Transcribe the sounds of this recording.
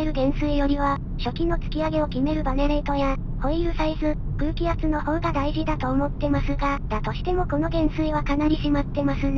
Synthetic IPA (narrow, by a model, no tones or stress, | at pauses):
eɾɯ̟ɡẽ̞ɰ̃sɨijo̞ɾʲiβa | ɕo̞kʲinːot͡sɨ̥kʲiaɡe̞o̞kʲime̞ɾɯ̟baneɾe̞t̪o̞ja | ho̞iɯ̟saisɨ | kɯ̟ːkʲiat͡sɨno̞ho̞ːɡad̪aiʑid̪at̪o̞ːmo̞t̪ːe̞masɨɡad̪̥at̪o̞ɕi̥t̪e̞mo̞ko̞no̞ɡẽ̞ɰ̃sɨiβakanaɾʲiɕimat̪ːe̞masɨn